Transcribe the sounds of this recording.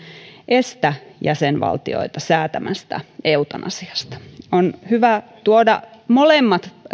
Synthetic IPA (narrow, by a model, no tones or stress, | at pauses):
ʔest̪æjæsenʋɑ̰lt̪io̰it̪ɑsæːt̪æmʔæst̪æ̰eut̪ɑnʔɑ̰siɑ̥st̪ɑ̥onhyʋæt̪uodɑ̰molemːɑt̪